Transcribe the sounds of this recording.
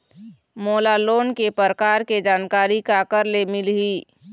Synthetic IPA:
moːlaloːnkepəɾkaːɾked͡ʒaːnkaːɾikakəɾlemɪlɦiː

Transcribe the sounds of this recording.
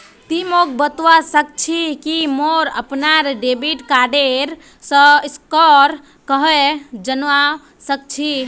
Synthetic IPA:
t̪imok̚bət̪wasək̚t͡ʃʰikimoɾəpnaɾɖebiʈkaɖeɾ | səiskɔɾ | kəɦed͡ʒənʋa | sək̚t͡ʃʰi

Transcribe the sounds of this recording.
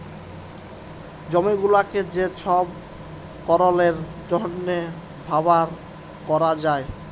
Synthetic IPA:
d͡ʑomiɡulaked͡ʑeʃʰɔb̚ | kɔɾoleɾ | d͡ʑɔnːe | bʱabaɾ | kɔɾad͡ʑae

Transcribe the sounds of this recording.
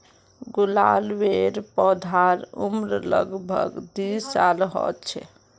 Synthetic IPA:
ɡulalʋeɾpɔd̪ʱaɾumɾlə̰ɡbʱə̰ɡd̪ialɦɔ̰t̪t͡ʃʰɛ̰

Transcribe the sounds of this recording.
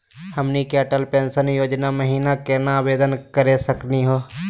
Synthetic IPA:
həmnikəʈəlpẽːnsənjoːd͡ʒnaməɦiːnakeːnaːbeːd̪ənkəɾesəkniɦoː

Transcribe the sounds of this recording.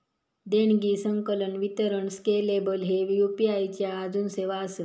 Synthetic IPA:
d̪eɳɡiːsəŋkələɳʋit̪əɾəɳskelebəlɦeʋjupiajt͡ɕjaːd͡zuːnseʋasə

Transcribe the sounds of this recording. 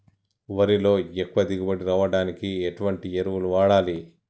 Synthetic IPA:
ʋɐɾilo̞ːekːuʋɐd̪iɡubɐɽiɾaːʋɐɽaːnikieʈuʋɐɳʈieɾuʋuluʋaːɽaːli

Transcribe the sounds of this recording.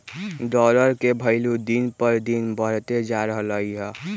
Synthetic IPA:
ɖɔləɾkebʱəɪlud̪inpəɾd̪inbəɽ̤t̪ed͡ʒaɾəɦələiɦɛ

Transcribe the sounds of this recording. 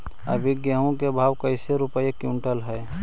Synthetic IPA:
ə̰bʱɪɡjəɦõkebʱaːwkəɪseɾʊpəjekjũɳʈəlɦɛː

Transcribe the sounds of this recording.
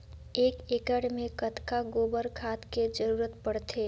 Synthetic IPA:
eːkeːkəɽmẽkət̪kaɡoːbəɾkʰaːt̪ked͡ʒəɾuːɾət̪pəɽt̪ʰeː

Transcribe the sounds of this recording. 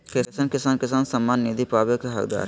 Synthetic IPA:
kɪsaːnkɪsaːnkɪsaːnsəmːaːnːid̪ipaːbjokeɦɐkd̪a̰ːɾ

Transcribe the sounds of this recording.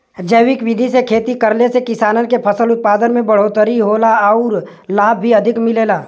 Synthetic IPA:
d͡ʒəːʋɪkʋɪd̪ʱisekʰeːt̪ikɐɾlesekɪsaːnənkepʰɐsəlʊt̪̚paːd̪ənmẽbɐɽ̤oːt̪əɾiɦoːlaɔːɾ | laːb̚ʱːiɐd̪ʱɪkmɪleːlaː

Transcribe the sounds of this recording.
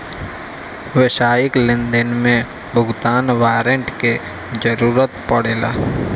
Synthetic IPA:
ʋɪʃaːjɪklɪ̃nd̪ənmẽ | bʱʊɡt̪aːnwaːɾəɳʈke | d͡ʒəɾuːɾət̪pəɽeːla̰ː

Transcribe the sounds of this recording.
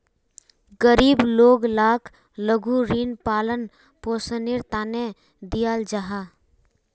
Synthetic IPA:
ɡəɾiːbloːɡlaːkʰ | ləɡuɾiːnpaːlən | poːsənɪɾt̪aːne | d̪ijaːld͡ʒaɦa

